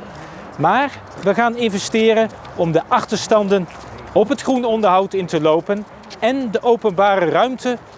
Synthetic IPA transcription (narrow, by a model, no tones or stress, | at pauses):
maːɹ | ʋəχaːnɪnvɛstɪːɾən | ɔmdəʔɑχtəɹstɑndən | ɔpɦətχrunɔndəɹɦɑwtɪntəlowpən | ɛndəʔowpənbaːrərœɥmtə